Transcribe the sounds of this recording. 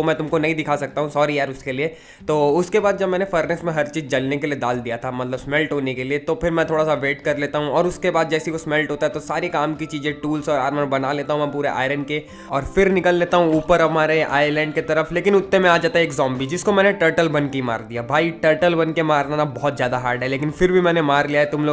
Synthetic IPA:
omɛ̃ːt̪ʊmkonɐɦĩd̪ɪkʰasɐk̚t̪aɦũsɔːɾiɦɛːɾʊskelie | t̪oːʊskebaːd̪̚d͡ʒɐbmɛːnefəɾnɛsmẽɦɐɾt͡ʃiːzd͡ʒɐlnekelied̪aːld̪ijat̪ʰamɐt̪ləbsmɛlʈɦoːnekeliet̪opʰɪɾmɛ̃t̪ʰoːɽasaʋeːʈkɐɾleːt̪aɦũɔːɾʊskebaːd̪̚d͡ʒɛːsikosmɛlʈɦoːt̪aɦɛt̪osaːɾikaːmkit͡ʃiːzẽʈuːlsɔːɾaːɾmə̃nbɐnaleːt̪aɦũmɛ̃p̬uːɾeʔa̰ːɪɾənɖke | ɔːɾfɪɾnɪkəlːeːt̪aɦũuːpəɾɐmaːɾea̰ːjəɾlɛ̃ːɳɖ̚ket̪ɐɾəfleːkɪnʊt̪ːẽmɛ̃aːd͡ʒaːt̪aɦɛːkzɔ̃ːmbʱid͡ʒɪskomɛːneʈəɾʈəlbɐnkima̰ːɾd̪ijabʱaːiʈəːɾʈəlbɐnkemaːɾnaːnabɔɦɔt̪zjaːd̪aɦaːɾɖɦɛleːkɪnfɪɾbʱimɛːnemaːɾlijaɦɛt̪ʊmloːɡ

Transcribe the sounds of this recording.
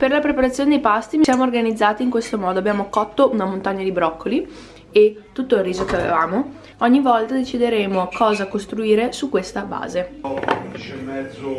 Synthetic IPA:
perlapɾepaɾat̪sːjoːned̪ejpast̪ivisjaːmoːrɡanid̪zːaːt̪iːŋkwest̪omɔːd̪oabjaːmokɔt̪ːoʔunamont̪aɲːad̪ibɾɔkːoli | et̪ːut̪ːoilːiːzokeavḛvaːmo | ɔɲːivɔlt̪ad̪et͡ʃid̪eɾeːmokɔːzakost̪ɾuiːɾesukːwest̪aba̰ːze

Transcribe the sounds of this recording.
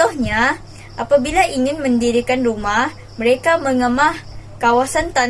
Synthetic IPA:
ɔhɲa | ʔapabilaʔiŋɪnməndiɾikanrumah | məɾekaməŋəmahkawasant̪a

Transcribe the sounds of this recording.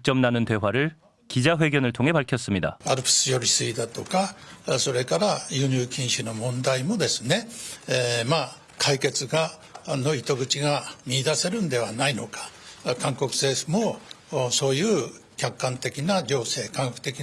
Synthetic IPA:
k̚t͡ɕ͈ʌmnanɯnt̪e̞waɾɯɭ | kid͡ʑaɸwe̞ɡʲjʌnɯɭt̪ʰoŋɦe̞paɭkʰjʌs͈ɯmɲida̰aɾɯpʰi̥sɨjoɾʲisɨid̪at̪o̞kaso̞ɾe̞kaɾajɯːɲɯːkʲʰĩɰ̃ɕinomõ̞nd̪aimo̞d̪e̞sɨne̞ | ma | kʰaike̞t͡sɨɡa | noit̪oɡɯ̟t͡ɕiɡamʲiːd̪ase̞ɾɯnd̪e̞βanaino̞kḁkãŋkokɯ̟̥se̞ːsɯmo | so̞ːjɯː | kʲakːãnt̪e̞kʲinaɾʲoːse̞ːkãŋkakɯ̥t̪e̞kʲi

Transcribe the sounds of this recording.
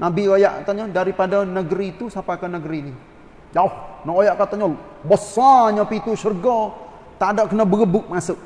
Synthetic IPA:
nabiojaʔat̪aɲadaɾipadanəɡəɾiːt̪usapakanəɡəɾini | jaohnɔʔojaʔkat̪aɲa | bəsaɲapit̪uʃərɡɔ | t̪adaʔkənabəɡəbʊk̚masʊʔ̚

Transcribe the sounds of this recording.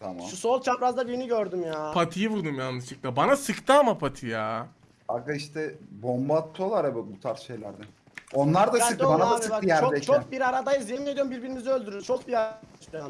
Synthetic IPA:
t̪ʰamʃausolˠt͡ʃʰambiɾazd̪abiɾiniɟøɾd̪ymjaːpʰat̪ʰijɯvuɾd̪umjanːɯʃɯk̚lˠabanasɯkt̪ʰaamapʰat̪ʰɯjaː | a̰kaiʃt̪ʰɛbombat̪ʰːoolˠaɾabibut̪ʰaɾsʃe̞jlʲæ̰ɾd̪ɛ | o̞nlˠaɾd̪asɯkt̪banaasɯjæɾd̪ɛt͡ʃʰok̚biɾaɾad̪ajɯzjemed̪iɾumbiɾbiɾimiziø̞lʲd̪yɾyt͡ʃʰo̞k̚biast̪

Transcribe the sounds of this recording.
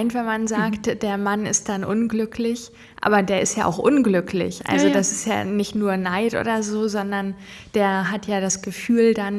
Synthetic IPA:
ɪntvɛnmanzaːktd̥eːɐmanɪ̰st̚d̥anʔʊnɡlʏkʰlɪç | ʔa̰ːbɐdeːɐʔɪstjaːʔaʊxʔʊnɡlʏklɪ̰çʔa̰lzod̥asɪstja̰ːnɪçtnuːɐnaɪtʔo̰ːdɐzoːzɔndɐn | d̥eːɐɦatjaːdasɡ̥əfyːldan

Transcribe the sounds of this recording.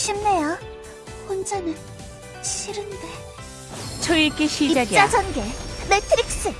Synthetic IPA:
ɕʰimneja | hond͡ʑanɯn | ɕʰiɾɯnde | t͡ɕʰʌik͈eɕʰiid͡ʑaɡjt͡ɕ͈ad͡ʑʌnɡemetʰɯɾiks͈ɯ

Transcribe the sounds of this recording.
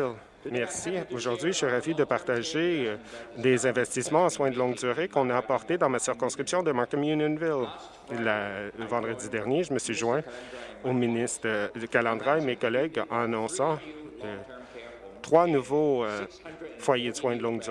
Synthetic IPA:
l | mɛʁsioʒuʁd̪ɥiəsɥiʁavid̪əpaʁt̪aʒe | d̪ezɛ̃vɛst̪ismɑ̃ɑswɛ̃d̪əlɔ̃ŋɡd̪yʁekɔ̃naːpɔʁt̪ed̪ɑ̃masiʁkɔ̃skχipsjɔ̃d̪əmakɔmjunjɔnvil | lavɑ̃d̪ʁəd̪id̪ɛʁnjeʒəməsɥiʒwɛ̃ominist̪əəkalɑ̃d̪ʁaemekɔlɛɡɑ̃anɔ̃sɑ̃ | t̪χwanuvoøfwajed̪əswɛ̃d̪əlɔ̃ɡd̪yʁ

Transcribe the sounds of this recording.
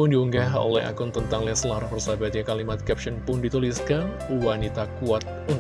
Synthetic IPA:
ʊndiuŋɡaɦo̰lɛ̰ha̰kʊnt̪ənt̪aŋlɛslaɾabərsabat̪ɲakalimat̪̚kɛp̚ʃənpʊndit̪uliskan | wanit̪akuat̪̚un

